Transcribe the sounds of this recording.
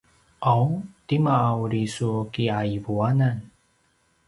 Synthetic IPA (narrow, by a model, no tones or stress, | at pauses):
ʔawtimaːwɾisukiaivuanan